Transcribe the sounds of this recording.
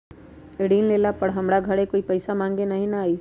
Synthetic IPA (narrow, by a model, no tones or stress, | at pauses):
ɪɽiːnleːlapɐɽɦɐmɽaɡʱɐɽekoːipɐɪsamãːŋɡenɐɦĩnɐaːi